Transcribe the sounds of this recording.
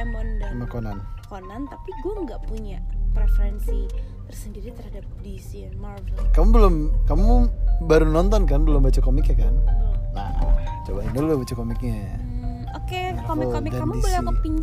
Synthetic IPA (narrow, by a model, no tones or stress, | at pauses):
amɔndkəmakɔnankonant̪apiɡuaŋɡaʔpuɲapɾefəɾɛnsit̪ərsəndiɾit̪ərhadap̚disimarvɛlkamubəlʊmkamuubaɾunɔnt̪ɔnkanbəlʊmbat͡ʃakomikjakanːaht͡ʃobaindolabat͡ʃakomɪk̚ɲaja | oke | komɪomɪd͡ʒaamuibəlaəpiɲd͡ʒ